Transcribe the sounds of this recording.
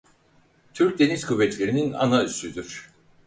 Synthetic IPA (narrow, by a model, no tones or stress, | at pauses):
t̪ʰyɾc̚d̪e̞niz̥kʰuvːɛt̪ʰlʲe̞ɾinina̰nayst̪yd̪yɾ̥